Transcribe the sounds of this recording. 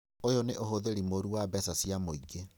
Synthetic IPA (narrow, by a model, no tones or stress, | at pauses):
ojɔneʔohoðeɾimoɾuwabɛsasijamoiɡe